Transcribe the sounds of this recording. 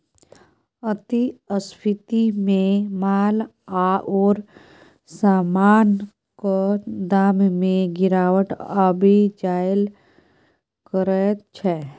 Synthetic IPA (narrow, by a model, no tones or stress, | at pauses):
ət̪iəspʰɪt̪imẽmaːl | aɔːɾ | saːmaːn | kod̪aːmmẽɡɪɾaːwəʈəbʱid͡ʒaːjəl | kəɾət͡ʃʰɛː